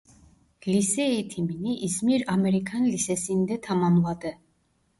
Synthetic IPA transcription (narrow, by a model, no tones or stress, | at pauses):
lisɛit̪ʰiminiʔizmiɾamɛɾikʰanlisɛsind̪ɛt̪ʰamanlˠad̪ɛ